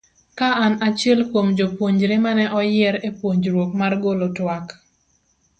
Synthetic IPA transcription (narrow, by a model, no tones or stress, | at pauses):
kaʔanat͡ʃɛlkomd͡ʒopwoɲd͡ʒɾemanɛʔɔjɪɾepwoɲd͡ʒɾwok̚marɡolotwak